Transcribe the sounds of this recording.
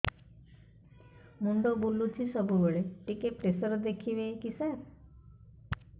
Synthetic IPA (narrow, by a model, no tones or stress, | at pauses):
muɳɖobulːut͡ʃʰisɔbubeɭeʈikepɾesɔɾɔd̪ekʰibekisaɾ